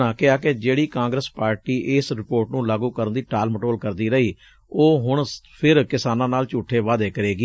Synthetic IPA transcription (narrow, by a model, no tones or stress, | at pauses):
aːkɪaːked͡ʒeːɽiːkãːŋɡɾəspaːɾʈiːʔɪsɾɪpoːɾʈnũːlaːɡũːkəɾənd̪iːʈaːlməʈoːlkəɾd̪iːɾəiː | oːɦʊɳpʰɪɾkɪsaːnãːnaːlt͡ʃuːʈʰːeːʋaːd̪eːkəɾeːɡiː